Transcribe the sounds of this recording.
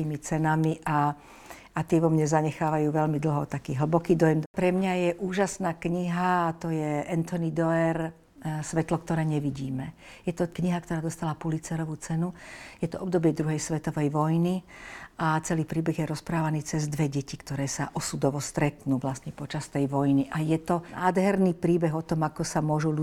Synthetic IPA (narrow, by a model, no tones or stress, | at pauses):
iːmit͡sɛnamiʔa | at̪ɪɛʋɔmɲɛzaɲɛxaːʋajuːʋɛʎmid̪l̩ˠɦɔt̪akiːɦl̩bɔkiːd̪ɔjɛmpɾɛmɲajɛʔuːʒasnaːkɲiɦat̪ɔjɛɛnt̪ɔnid̪ɔɛɾ | sʋɛt̪lɔkt̪ɔɾɛːɲɛʋiɟiːmɛjɛt̪ɔkɲiɦak̚t̪ɔɾaːd̪ɔst̪alapulit͡sɛɾɔʋut͡sɛnujɛt̪ɔʔɔbd̪ɔbɪɛd̪ɾuɦɛjsʋɛt̪ɔʋɛjʋɔjniat͡sɛliːpɾiːbɛɣjɛɾɔspɾaːʋaniːt͡sɛzd̪ʋɛɟɛcikt̪ɔɾɛːsa̰ʔɔsud̪ɔʋɔst̪ɾɛt̪nuːʋlasɲɛpɔt͡ʃast̪ɛjʋɔjniʔajɛt̪ɔnaːd̪ɦɛɾniːpɾiːbɛɣɔt̪ɔmakɔsamʊɔʒulu